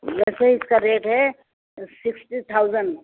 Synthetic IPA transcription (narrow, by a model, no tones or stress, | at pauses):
ʋɛːseɦiɪskaɾeːʈɦɛ | sɪksʈit̪ʰaʊd͡ʒəɳɖ